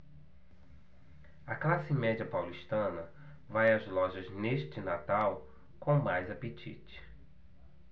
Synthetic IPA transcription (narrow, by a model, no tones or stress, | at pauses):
ɐklasɪmɛd͡ʒiɐpawliʃt̪ɐ̃nɐ | vajɐzlɔʒɐzneʃt͡ʃɪnat̪aw | kõmajzapet͡ʃḭt͡ʃɪ̥